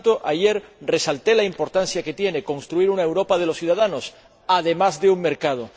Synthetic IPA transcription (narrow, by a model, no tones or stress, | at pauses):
t̪oʔaʝe̞ɾre̞salt̪e̞laimpo̞ɾt̪anθjake̞t̪je̞ne̞kõ̞nst̪ɾuiɾunae̞wɾo̞pað̞e̞losθjuðað̞ano̞s | aðe̞mazðeuŋme̞ɾkað̞o